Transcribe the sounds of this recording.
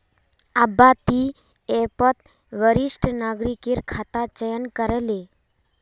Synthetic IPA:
abat̪i | epət̪ | ʋəɾɪʃʈnaːɡɾikiɾkʰat̪at͡ʃəjənkəɾele

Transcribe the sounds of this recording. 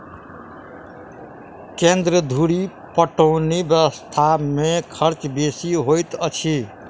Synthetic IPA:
kend̪ɾəd̪ʱuɽi | pəʈəʊnibjəəst̪ʰamekʰəɾt͡ʃbesiɦojt̪ət͡ʃʰi

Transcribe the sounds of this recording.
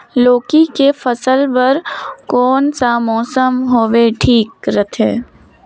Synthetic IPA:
loːkikefəsəlpɐɾkɔːnsamɔːsəmɦoːʋeʈʰiːkɾət̪ʰḛː

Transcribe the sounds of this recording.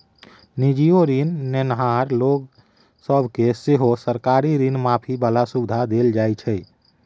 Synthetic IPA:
nid͡ʒijoɾinːenɦaɾloɡ | səbʱkeseɦosəɾkaɾiɾinmapʰibalasubd̪ʱad̪eld͡ʒajt͡ʃʰɛ

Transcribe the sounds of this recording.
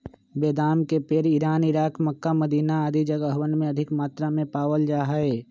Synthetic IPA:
beːd̪aːmkepeɾiɾaːnɪɾaːkməkːaməd̪iːnaaːd̪id͡ʒəɡəɦwənmẽɐd̪ʱɪkmaːt̪ɾamẽpaːwəld͡ʒaːɦaeː

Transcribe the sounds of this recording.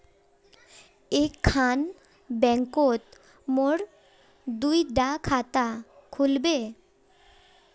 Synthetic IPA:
ekʰːan | bɛŋkot̪ | moɾ | d̪ujɖakʰat̪akʰulbe

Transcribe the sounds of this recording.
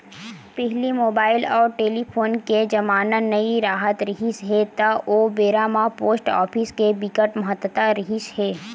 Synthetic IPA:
pɛɦlimoːbaːɪlɔːɾʈeːlipʰoːnked͡ʒɐmaːnənɐiɾaːɦət̪ɾɪɦisɦet̪aʔoːbeːɾaːmapoːsʈɔ̰ːpʰɪskebikəʈmɐɦət̪ət̪aɾɪɦiʃɦeː

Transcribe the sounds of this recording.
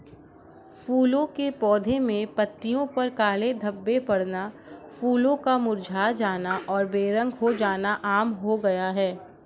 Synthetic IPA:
fuːlõkepɔːd̪ʱemẽpɐt̪ːijõpɐɾkaːled̪ʱɐbːepɐɽna | fuːlõkamʊɾd͡ʒʱaːd͡ʒaːnaʔɔːɾbeːɾə̃ŋɡɦod͡ʒaːnaʔaːmɦoɡɐjaɦɛː

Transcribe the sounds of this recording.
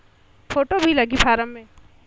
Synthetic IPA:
foːʈobʱilɐɡipʰaːɾəmːẽ

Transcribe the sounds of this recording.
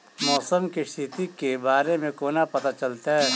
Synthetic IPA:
mɔːsəmkist̪ʰɪt̪ikebaːɾemẽkoːnapɐt̪at͡ʃɐlt̪aɦɛː

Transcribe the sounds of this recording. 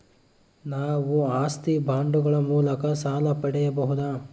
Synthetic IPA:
naːʋuaːst̪ibʱaːɳɖuɡɐɭɐmuːlɐkɐsaːlɐpɐɽɛjɐbɐɦud̪aː

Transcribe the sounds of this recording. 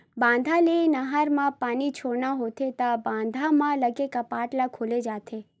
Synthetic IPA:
bãːnd̪ʱalenəɦaɾmãpaːnit͡ʃʰoɽnaɦot̪ʰet̪abãːnd̪ʱamãləɡekəpaːʈlakʰoled͡ʒaːt̪ʰe

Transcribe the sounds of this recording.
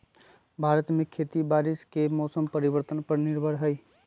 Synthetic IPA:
bʱaɾət̪mekʰet̪ibaɾiskemɔsəmpəɾibəɾt̪ənpəɾniɾbʱəɾɦəj

